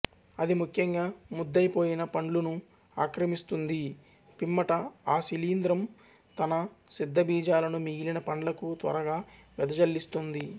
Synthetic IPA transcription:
ɐd̪imukʰjɐŋɡaːmud̪ːɐjpo̞ːjinɐpɐɳlunu | aːkɾɐmist̪und̪i | pimːɐʈɐaːsiliːnd̪ɾɐm | t̪ɐnɐ | sid̪ʱːɐbiːd͡ʒaːlɐnumiɡilinɐpɐɳlɐkut̪ʋɐ̰ɾɐɡaːʋɛd̪ɐd͡ʒɐlːist̪und̪i

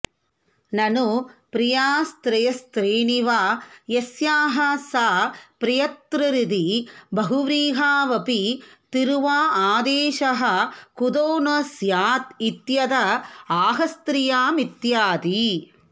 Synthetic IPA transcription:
nɐnupɾijaːst̪ɾɐjɐst̪ɾiːɳiʋaːjesjaːɦɐsaːpɾijɐt̪ɾɐɾid̪ibɐɦuʋɾiːɦaːʋɐpit̪iɾuʋaːaːd̪eːʃɐɦɐkud̪oːnɐsjaːt̪it̪jɐd̪ɐaːɦɐst̪ɾijaːmit̪jaːt̪i

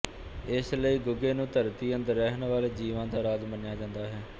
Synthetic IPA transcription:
ɪsləiːɡʊɡeːnũːt̪əɾt̪iːənd̪əɾːɛɦnʋaːleːd͡ʒiːʋãːd̪aːɾaːd̪mənjaːd͡ʒãːnd̪aːɦɛː

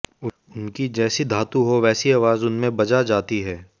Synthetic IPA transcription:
ʊ | ʊnkid͡ʒɛːsid̪ʱaːt̪uɦoʋɛːsiaːʋaːzʊnmẽbɐd͡ʒad͡ʒaːt̪iɦɛː

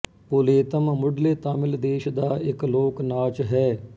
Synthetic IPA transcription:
poːleːt̪əmmʊɖleːt̪aːmɪld̪eːʃd̪aːɪkloːknaːt͡ʃɦɛː

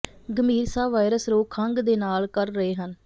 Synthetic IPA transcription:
ɡəmiːɾsaːʋaːɪɾəsɾoːkʰəŋɡd̪eːnaːlkəɾːəɦeːɦən

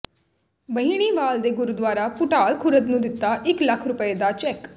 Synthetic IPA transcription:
bəɦiɽ̃iːʋaːld̪eɡʊɾud̪ʋaːɾapʊʈaːlkʰʊɾəd̪nũːd̪ɪt̪ːaʔɪklɐkʰɾʊpəed̪at͡ʃɛk

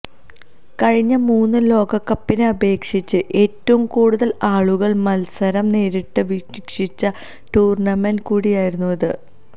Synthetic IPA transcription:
kɐɻiɲːɐmuːnːɨlo̞ːɡɐkːɐpːinɨɐbe̞ːkʂit͡ɕːɨʔe̞ːtːɐʋumkuːɽuðɐlaːɭuɣɐɭmɐlsɐɾɐmneːɾiʈːɨʋikʂit͡ɕːɐ | ʈuːrɳɐmenɖkuːɽijaːjiɾunːuʋɐðɨ

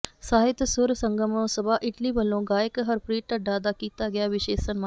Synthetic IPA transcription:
saːɦɪt̪sʊɾsəŋɡəmõːsəbaːʔɪʈliːʋəlːõːɡaːɪkɦəɾpɾiːʈəɖaːd̪aːkiːt̪aːɡɪaːʋɪʃeːsənmaː

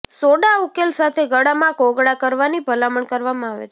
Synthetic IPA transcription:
soɖaukelsat̪ʰeɡəɽamãkoɡɽakəɾʋanibʱəlaməɳkəɾʋamãaʋḛt͡ʃʰe

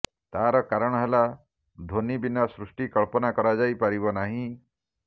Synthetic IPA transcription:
t̪aɾɔkaɾɔɽ̃ɔɦela | d̪ʱonibinːɔsɾusʈikɔɭpɔnakɔɾad͡ʒajpaɾibɔnaɦĩ

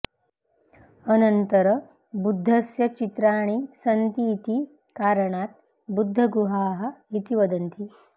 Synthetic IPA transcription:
ənənt̪əɾə | bud̪ʱːəsjɐt͡ʃit̪ɾaɽ̃iːsənt̪iːt̪i | kaɾɳat̪ | bud̪ʱːəɡuɦaɦəit̪iʋəd̪ənt̪ʰi

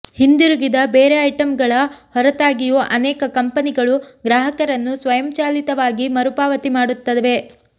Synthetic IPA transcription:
hind̪iɾuɡid̪ɐbeːɾeɐjʈɐmɡɐɭɐhɔɾɐt̪aːɡijuʔɐnɛːkɐkɐmpɐniɡɐɭuɡɾaːɦɐkɐɾɐnːusʋɐjɐmt͡ʃaːlit̪ɐʋaːɡimɐɾupaːʋɐt̪imaːɽut̪ːɐd̪ʋe̞

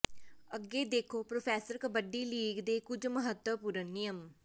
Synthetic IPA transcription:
əɡeːd̪eːkʰoːpɾoːpʰɛːsəɾkəbəɖiːliːɡd̪eːkʊd͡ʒməɦət̪wəpuːɾənːɪjəm

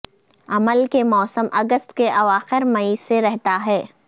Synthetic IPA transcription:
ɐməlkemɔːsəmʔɐɡəst̪keʔɐʋaːxɪɾmɐiseɾɛɦt̪aɦɛː

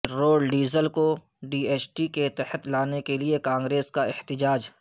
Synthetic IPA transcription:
ɾoːɖɖiːzəlko | ɖiːeːt͡ʃʈiket̪ɛhət̪laːnekeliekãːŋɡɾeːskaɪht̪ɪd͡ʒaːd͡ʒ

